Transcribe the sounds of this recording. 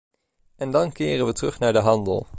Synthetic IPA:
ɛndɑnkɪːrənʋətrɵχnaːɹdəɦɑndəlˠ

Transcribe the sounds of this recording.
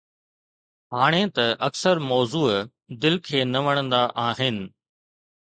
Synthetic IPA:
ɦaːɽ̃ẽt̪ɐʔɐksəɾmɔːzuː | d̪ɪlkʰeːnɐʋɐɽ̃ə̃nd̪aʔaːɦɪnɪ̆

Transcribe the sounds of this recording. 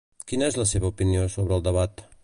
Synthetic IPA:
kinəɛzləseβəupiniosoβɾəːlˠd̪əβat̪

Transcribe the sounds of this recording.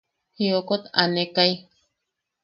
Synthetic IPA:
hiokot̪a̰nekaj

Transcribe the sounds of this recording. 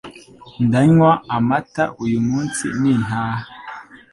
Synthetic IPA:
ndaɲwaamataʔujumunsḭnin̥a

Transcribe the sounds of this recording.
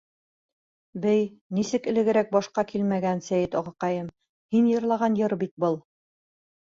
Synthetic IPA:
bæjnisɘkɘ̆lɘ̆ɡɘ̆ɾæk̚bɒʃqɑkʰilmæɡænsæjɘt̪ɑʁɑqɑjɤm | hinjɤ̆ɾlˠɑʁɑnjɤɾbit̪̚bɤlˠ

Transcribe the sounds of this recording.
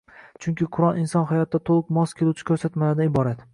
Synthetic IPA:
t͡ʃʰʊŋkʲɪqʰʊɾɒnɪnsɒnɦajɒt̪ːat̪ʰolˠɨqmɒskʲʰelut͡ʃʰɪ̥kʰʲɵɾsat̪malad̪anɪbɒɾat̪

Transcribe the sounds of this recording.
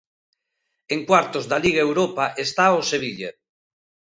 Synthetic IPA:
eŋkwaɾt̪ozðaliɣ̞aewɾopaʔest̪aoseβiʎḛ

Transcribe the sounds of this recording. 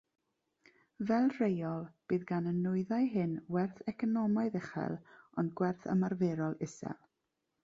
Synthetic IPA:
vɛlˠrejɔlˠb̥ɨːðɡanənːʊɨðajɦɨnwɛrθɛkʰɔnɔmaɨðɛχɛ̰lˠɔnɡwɛrθə̰marvɛɾɔlˠɪsɛ̰lˠ

